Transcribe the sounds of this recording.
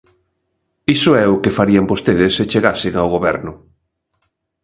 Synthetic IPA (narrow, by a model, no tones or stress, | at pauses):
isʊɛʊkefaɾiambost̪eðɪset͡ʃeɣasɪŋawɣoβɛɾnʊ